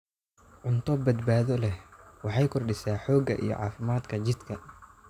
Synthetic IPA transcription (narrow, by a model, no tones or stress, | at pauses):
ʕʊnt̪ʰɔbɐd̪baːðɔlɛhwɑħɑjkʰɔrɖɪsaːħɔːɡɐ̰ʔḭjɔ̰ʕɑ̰ːfɪmaːd̪kʰɐt͡ʃɪd̪kʰɐ